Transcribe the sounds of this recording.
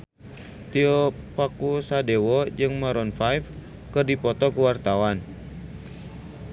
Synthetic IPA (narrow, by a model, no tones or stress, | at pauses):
t̪iɔpakusadewɔd͡ʒɨŋmaɾɔnfajf | kɨrdipɔt̪ɔkuwart̪awan